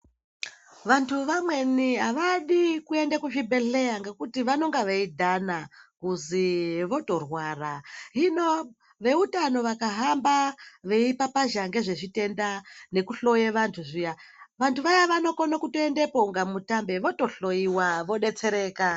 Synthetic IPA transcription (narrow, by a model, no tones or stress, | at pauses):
ʋantʰuʋamwe̞niɦaʋaɗikue̞ndekuʃibʱe̞ɬe̞jaŋɡekutiʋano̞ŋɡaʋeidʱanakuziʋo̞to̞rwaraɦino̞ | ʋe̞utano̞ʋakaɦambaʋe̞ipapaʒaŋɡe̞ʐe̞ʐite̞ndane̞kuɬo̞jeʋantʰuʐijaʋantʰuʋajaʋano̞konokutoendepoŋɡamutambe̞ʋo̞to̞ɬo̞jiwaʋo̞ɗe̞t͡se̞ɾe̞ːka